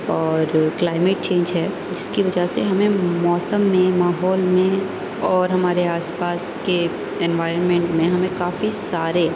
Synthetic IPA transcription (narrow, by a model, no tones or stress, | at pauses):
ɔːɾklaːɪmeːʈ̚t͡ʃẽːɲd͡ʒɦɛː | d͡ʒɪskiʋɐd͡ʒaseɦɐmẽmɔːsəmːẽmaːɦɔːlmẽ | ɔːɾɦɐmaːɾeaːspaːske | ɛnʋaːɪɾənmẽːɳʈmẽɦɐmẽkaːfisaːɾe